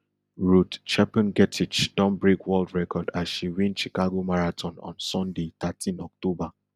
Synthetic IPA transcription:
ɹutt͡ʃɛpə̃nɡɛtʰit͡ʃd̥ɔ̃mbɹekwɔldɹɛkɔdasʃiɹĩnt͡ʃikaɡomaɹatʰɔ̃nɔ̰̃nsɔ̃ndetʰatʰĩnɔk̚toba

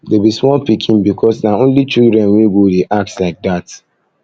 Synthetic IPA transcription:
debismɔlpikʰĩnbikʰɔsnaõnlit͡ʃildɹɛ̃nwĩɡodeʔak̚tslaɪk̚dat

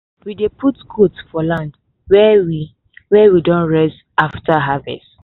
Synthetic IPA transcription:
widepʰutkʰotfɔlãnd | wɛwi | wɛwidɔ̃nɹɛs | aftaɦavɛ̰st

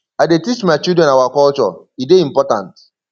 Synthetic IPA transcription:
aɪdetit͡ʃmajt͡ʃidɹɛ̃nawakɔlt͡ʃɔ̰ideĩm̩pɔtã̰nt

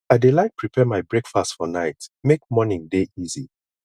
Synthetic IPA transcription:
aɪdelaɪk̚pʰɹipʰɛmaɪbɹekfastfɔnaɪtmekmɔnɪ̃ŋdeʔizi

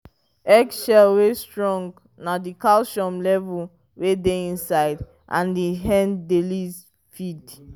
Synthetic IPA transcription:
ɛɡsʃɛlwestɹɔ̃ŋɡ | nadikalʃɔ̃mlɛvul | wedeĩnsaɪd | ʔã̰ndiɦɛ̃ndeliz | fid

